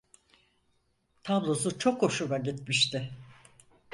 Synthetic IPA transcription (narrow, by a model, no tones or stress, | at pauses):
t̪ʰablˠo̞sut͡ʃʰo̞kho̞ʃulˠaɟit̪miʃt̪ɪ